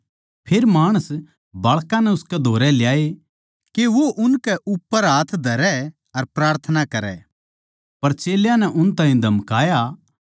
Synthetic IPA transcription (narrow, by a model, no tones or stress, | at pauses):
pʰeːɾmaːɽ̃əs | bɐːɭkãnɛʊskɛd̪ʱoːɾɛljaːe | keʋoʔʊnkɛʔʊpːəɾɦaːt̪ʰd̪ʱɐɾɛ | ɐɾpɾaːɾt̪ʰənakɐɾɛ̰ː | pɐɾt͡ʃeːljãnɛʔʊnt̪ãːĩd̪ʱɐmkaːja